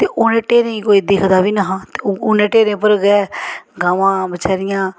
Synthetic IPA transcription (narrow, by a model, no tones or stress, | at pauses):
t̪eːʔʊnẽːʈeːɾẽːĩkoːiːd̪ɪːkʰd̪aːʋiːnaɦãːt̪eʊnẽːʈeːɾẽːpəɾɡɛːɡaːʋãːbət͡ʃaːɾɪjãː